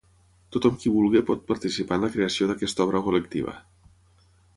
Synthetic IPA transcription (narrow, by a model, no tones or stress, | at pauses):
t̪ut̪ɔmkiβulˠɣepɔt̪̚pəɾt̪isipanləkɾeəsioðəkɛst̪ɔβ̞ɾəkuləkt̪ḭβə̰